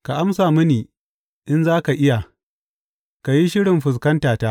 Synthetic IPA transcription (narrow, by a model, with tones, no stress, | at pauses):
ka˨ʔa˦msaː˨mʊ˦niː˨ | ʔɪ˦nzaː˦ka˨ʔɪ˦ja˨ | ka˨ji˦ʃɪ˦ɽɪ˨mɸʊ˨s̬kɐ˦ntaː˨taː˦